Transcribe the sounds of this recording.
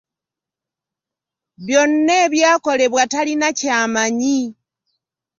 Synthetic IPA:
βjonːe̞ːβjaːko̞le̞βwatalinacaːmaɲi

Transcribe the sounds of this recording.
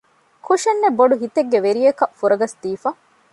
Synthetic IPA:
kʰuʂenːeboɖuɦit̪eɡːeʋeɾiekɐfuɾɐɡɐsd̪̥iːfɐ

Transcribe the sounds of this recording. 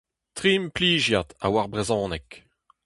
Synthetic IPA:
t̪ʁiːmpliːʒjat̪a̰waʁbʁezɔ̃ːnɛk

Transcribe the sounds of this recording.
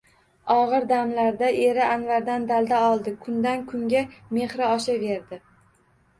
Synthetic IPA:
ɒʁɨɾd̪amlaɾd̪aʔe̞ɾɪanvaɾd̪and̪ald̪aɒlˠd̪ɪkʰʊnd̪ankʰʊŋɡʲame̞χɾɪɒʃave̞ɾd̪ɪ

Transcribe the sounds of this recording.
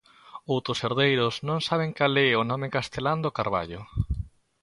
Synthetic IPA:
owt̪ɾʊseɾðejɾʊznõŋsaβeŋkalɛʊnɔ̃mɪkast̪eland̪okaɾβa̰ʎʊ

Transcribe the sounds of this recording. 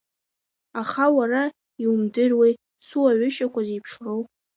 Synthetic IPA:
aχawara | iumdɨrwej | suaɥʏʃakʷazijpʰʂro̞wp

